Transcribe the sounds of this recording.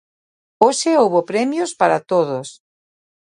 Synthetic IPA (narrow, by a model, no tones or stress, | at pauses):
oseowβopɾɛmjospaɾat̪oðos